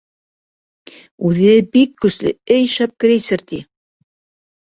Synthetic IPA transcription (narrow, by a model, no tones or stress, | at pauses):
ʉðɘbikːɵ̆slɘ̰ɘjʃæp̚kɘ̆ɾejsɘ̆ɾt̪i